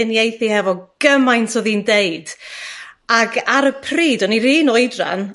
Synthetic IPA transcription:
ɨnjejθihɛvɔɡ̥əmajntʰɔðiːndeɨd̥ | aɡaɾəpʰriːdɔniriːnɔɨdra̰n

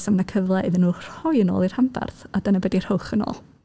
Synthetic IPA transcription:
samnəkʰəvlˠɛðənuːr̥ɔjəno̰ːlˠir̥hamba̰rθadənəbɛdir̥hʊχəno̰ːlˠ

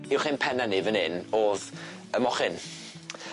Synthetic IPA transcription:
ɪwχɪnpʰɛnanivənɪnoːð | əmɔχɪn

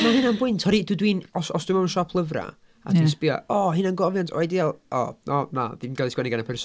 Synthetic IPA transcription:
nɛhɨnanbʊɨntʰhɔɾidudwiːnɔsɔsd̥wɪmaənʃɔpʰlˠəvra̰ | a̰dinspɪa̰ɔɦɪnanɡɔvjantʰɔ̰ajdialˠʔɔnʔɔnaðinɡaðˠɪsɡwɛnɪɡanapʰɛrsɔ

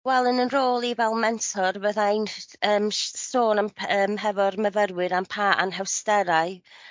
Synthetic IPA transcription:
wɛlˠənənroːlˠivɛlˠmɛntʰɔrvəðajnəːmsoːnamʰəːmɦɛvɔrməvəɾwɨɾampʰaːʔa̰nɦɛwstɛɾaɨ

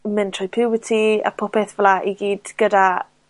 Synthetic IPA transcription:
mɪntʰrɔjpʰɪwɪtʰia̰pʰʊpʰɛθvlˠaʔiɡiːd̥ɡ̥əda

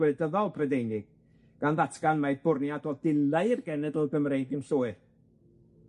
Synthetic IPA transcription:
wɛdəðɔlˠpʰrədejnɪɡ̥̚ | ɡ̥anðatʰɡ̥anmajdbʊrnjadɔdɪlˠaɨrɡɛnɛdəlˠɡəmrejdɪnɬʊːɨ

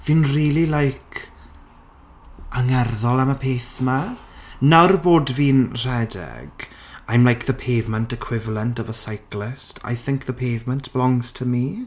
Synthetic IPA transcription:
v̥iːnriːlˠilajkʰ | aŋɛrðɔlˠaməpʰeːθmanawrboːdviːnr̥ɛdɛ̰ɡ̥ | ajmlajkðəpʰejvmə̃ntəkʰw̥ɪvlˠəntɔvəsajklɪstʰa̰jθɪŋk̚ðəpʰejvmə̃ntb̥lɔŋstʰəmi

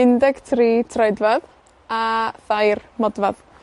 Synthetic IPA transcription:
ɪndɛɡtʰriːtʰrɛdvað | aθajrmɔdvað

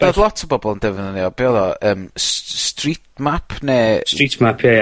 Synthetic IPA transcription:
b̥ɛðlˠɔtʰəbɔbɔlˠndɛvɪnəneɔb̥eɔðɔəːmsstritmapʰneːstritʰmapʰje

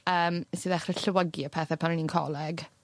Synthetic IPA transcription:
əːmsɨːðaχrɛɬəwəɡiəpʰɛθɛpʰanəniːnkʰɔ̰lˠɛɡ

